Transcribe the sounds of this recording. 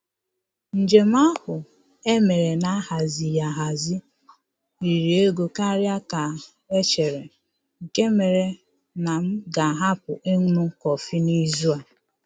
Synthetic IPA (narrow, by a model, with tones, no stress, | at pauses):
n̩˨d͡ʒe˨m̩˦a˦hʊ˨ | e˦me˨ɾe˨na˦ha˨zi˨ja˨ɦa˨zi˦ | i˨ɾi˨e˦ɡo˨ka˦ɾja˦ka˨ | e˦t͡ʃe˨ɾe˨ | ŋ̩˨ke˦me˨ɾe˨ | na˨m̩˦ɡa˨ɦa˦pʊ˨ʔe˦ŋʷ˦nu˦kɔ˨fi˦ni˦zu˦a˨